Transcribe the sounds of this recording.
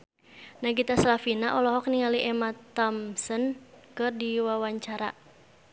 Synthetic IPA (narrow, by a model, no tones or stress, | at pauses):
naɡit̪asalafinaʔɔlɔɦɔk̚niŋaliʔɛmat̪ɔmsənkɨrdiwawaɲt͡ʃaɾa